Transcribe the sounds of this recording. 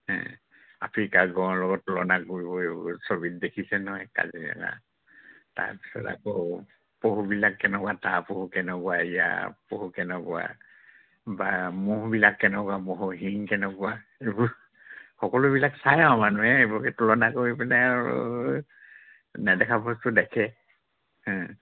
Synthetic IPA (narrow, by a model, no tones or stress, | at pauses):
hɛ̰̃ | a̰pʰɹikaɡɔɔlɔɡɔtːɔlɔnakoɹibɔesobit̚dekʰisɛnɔɦɔjka̰zia̰ɡa̰ | ta̰ɹpi̥sɔ̰ta̰kɔ | poɦubilakːɛnɛkwatapohukɛnɛkɔwaija̰pohukɛnɛkɔʊa̰ | bamuɦbilakːɛnɛkɔamɔɦɔɦiŋkɛnɛkɔaebuɹ | xɔkɔlʊbilaksajmanuɦɛebukɛtɔlɔnakoɹipɛnɛɹṵ | nɛdɛkʰapɔstʊdɛkʰɛ | hɛ̃